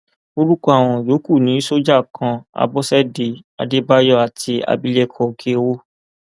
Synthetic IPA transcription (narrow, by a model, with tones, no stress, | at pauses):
o˧ɾu˦kɔ˦a˨w̃ɔ̃˨jo˨˦ku˦˨nĩ˨˦so˦d͡ʒa˦˨kʰã˧a̰˧bɔ˦sɛ˦de˨ | a̰˨de˦ba˦jɔ˦a˨ti˧a̰˧bi˦le˦kʰɔ˧kʰe˦˧wo˦